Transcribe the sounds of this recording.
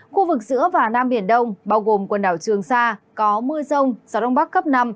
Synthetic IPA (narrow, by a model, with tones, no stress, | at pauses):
xu˧vɨ˨˩k̚zɨ̰˧˥əvaː˨˩naː˧mɓi˧˩ənɗə˧wŋ͡mɓaː˧wɣo˨˩mkwə˨˩nɗaː˧˩wt͡ɕɨ˨˩əŋsaː˧kɔ˨˦mɨ̰˧əsə˧wŋ͡mzaː˨˦ɗə˧ŋ͡mɓa˦˥k̚ːə˦˥p̚na˧m